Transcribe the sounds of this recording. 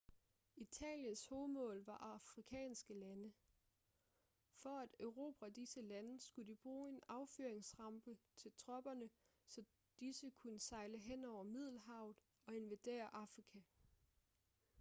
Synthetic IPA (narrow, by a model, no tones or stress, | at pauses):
it͡sʰɛ̰ːljənsho̝ːð̩ˠmɔ̰̽ːlʋɑ̈ʔɑ̈fʁikʰɛ̰ːnsɡ̥əlænə | fɒ̽æd̥øʊʁo̝̰ːb̥ʰæd̥isəlænəsɡ̥ud̥ib̥ʁuːe̝nɑ̈ʊføːɐeŋsʁɑ̈mb̥ət͡sʰe̝lt͡sʰʁɒ̽b̥ɐnə | sɒ̽ | d̥isəkʰunəsɑ̈ɪləɦen̰ɒʊ̰ɐmið̞̰ˠl̩ɦɑ̈ʊ̰ð̩ˠ | ɒ̽e̝nʋæd̥e̝̰ːɐʔɑ̈fʁikʰæ